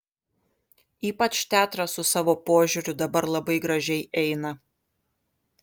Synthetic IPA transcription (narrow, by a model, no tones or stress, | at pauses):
iːpɐt͡ʃt̪ʲæːt̪ɾɐsʊsɑːʋoːpoːʒʲʊɾʲʊd̪ɐbɐɾlˠɐbɐɪɡɾɐʒʲɛɪʔɛɪnɐ